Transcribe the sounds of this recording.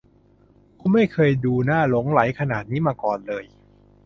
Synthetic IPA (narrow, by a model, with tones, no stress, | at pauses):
kʰuː˧˥˩ma˥˩jkʰɤː˧jduː˧naː˥˩lo˩˦ŋla˩˦jkʰa˧naː˨˩t̪̚niː˦˥maː˧kɔː˨˩nlɤː˧j